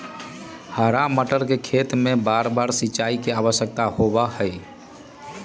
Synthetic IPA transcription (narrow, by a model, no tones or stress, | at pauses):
haɾaməʈəɾkekʰet̪mebaɾbaɾsiːt͡ʃaikeaβəsjək̚t̪ahobahəj